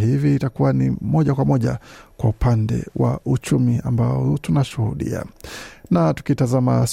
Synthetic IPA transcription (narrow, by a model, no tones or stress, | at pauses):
hiviːtakuwanḭmɔʄakwamɔʄakwaupandɛ̰wa̰ut͡ʃumiambaɔɔtunaʃuhuɗḭa̰natu̥kitazama̰s